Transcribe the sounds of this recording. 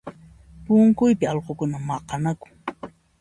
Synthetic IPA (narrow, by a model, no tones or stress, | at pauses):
pʊŋkʊjpɪɑlqokʊnamɑqɑnakʊ̥ŋ